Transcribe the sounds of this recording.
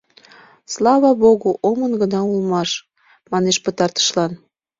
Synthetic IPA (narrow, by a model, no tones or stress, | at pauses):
slɑβɑboɣoʔomənɡənɑulmɑʃ | mɑneʃpət̪ɑrt̪ə̥ʃlɑn